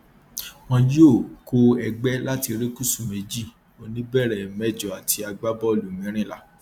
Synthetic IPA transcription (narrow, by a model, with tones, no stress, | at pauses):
w̃ɔ̃˧ji˦o˦˨ko˧ɛ˧ɡ͡bɛ˦la˦ti˧ɾe˦ku˦˨su˦˨me˨˦d͡ʒi˦˨ | o˨nĩ˦bɛ˦˨ɾɛ˨mɛ˦˨d͡ʒɔ˨a˨ti˧a˧ɡ͡ba˦bɔ˦˨lu˨mĩ˨˦ɾ̃ĩ˦˨la˦˨